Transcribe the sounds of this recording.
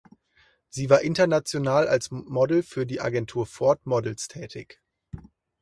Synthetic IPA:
z̥iːvaːɐʔɪntɐnat͡sjonaːla̰lsmɔdl̩fyːɐdiːʔa̰ɡɛntʰuːɐfɔɐtmɔdl̩stʰɛːtʰɪç

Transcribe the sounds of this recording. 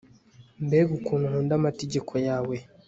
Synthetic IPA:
mbeɡukununundamateɟe̞kʰojaːwe̞

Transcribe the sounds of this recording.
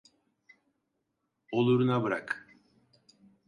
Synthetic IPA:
o̞lˠuɾunabɯɾak

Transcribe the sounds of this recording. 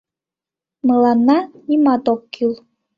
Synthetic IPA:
mɤlˠɑnːɑnʲimɑt̪okːylˠ

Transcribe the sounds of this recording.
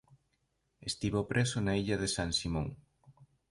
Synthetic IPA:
est̪iβopɾʔesonaiʎɐðesaŋsimõŋ

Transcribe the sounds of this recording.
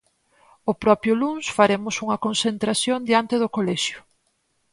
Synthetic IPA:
opɾɔpjʊlunsfaɾemʊsuŋɐkonsent̪ɾasjond̪jant̪eðʊkolɛʃjʊ̥

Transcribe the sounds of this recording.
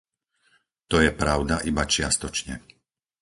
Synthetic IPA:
t̪ɔjɛpɾaʊd̪aʔibat͡ʃɪast̪ɔt͡ʃɲɛ̰

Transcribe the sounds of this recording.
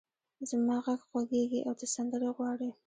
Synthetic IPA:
zmɑɣaɡɣwaɡeɡiʔawd̪əsand̪əɾoɣwɑɽi

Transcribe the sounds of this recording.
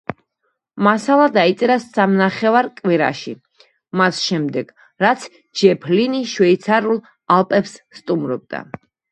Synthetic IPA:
masalˠad̪ait̪sʼɛɾassamnaχɛvaɾkʼwiɾa̰ʃi | masʃɛmd̪ɛɡ̥ | ɾat̪sʰ | d͡ʒɛpʰliniʃwɛit̪sʰaɾulˠ | alˠpʼɛpsːt̪ʼumɾɔb̚d̪̥a̰

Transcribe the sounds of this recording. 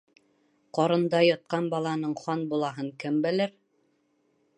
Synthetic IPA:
qɒɾɤ̆nd̪ɑjɑt̪̚qɑnbɑlˠɑnɤɴχɑnbulˠɑɦɤɴkɘmbɘ̆lɘɾ

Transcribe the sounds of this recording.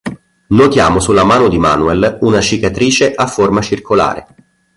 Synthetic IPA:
not̪jaːmosulːamaːnod̪ima̰ːnuɛlunat͡ʃikat̪ɾiːt͡ʃeʔafːormat͡ʃirkʰola̰ːɾḛ

